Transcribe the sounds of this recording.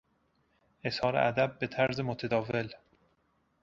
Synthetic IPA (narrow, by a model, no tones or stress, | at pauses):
ʔe̞shɒːɾḛʔæd̪æbːet̪ʰæɾzemot̪ʰed̪ɒːve̞l